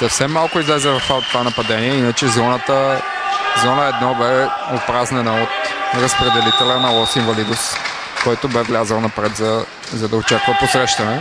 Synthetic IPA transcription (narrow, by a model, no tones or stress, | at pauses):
sɐfsɛmːalˠkʊizlɛzɛvɐft̪at̪ːvanɐpɐd̪ɛniɛinət͡ʃɛzɔnət̪ə | zɔnəɛd̪nɔbɛopɾaznɛnəot̪ɾəspɾɛd̪ɛlit̪ɛlənɐlˠɔsinvɐlid̪ʊs | kɔjt̪ʊbɛvlʲazəlˠnɐpɾɛt̪zɐ | zɐd̪ɐot͡ʃakvəposɾɛʃt̪ɐnɛ